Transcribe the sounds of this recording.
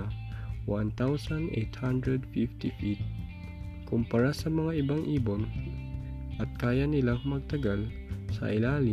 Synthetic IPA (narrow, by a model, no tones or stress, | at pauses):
want̪awsɐnd̪ʔḛt̪hand̪ɹɛd̪fift̪ifit̪̚ | kʊmpɐɾasɐmɐŋaʔɪbaŋʔiːbon | ʔɐt̪̚kaːjanɪlaŋmɐɡ̚t̪ɐɡal | sɐ̰ʔɪlaːlɪ